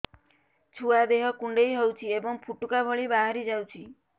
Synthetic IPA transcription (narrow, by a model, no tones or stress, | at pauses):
t͡ʃʰuad̪eɦɔkuɳɖejɦɔwt͡ʃʰiebɔŋpʰuʈukabʱɔɭibaɦaɾid͡ʒawt͡ʃʰi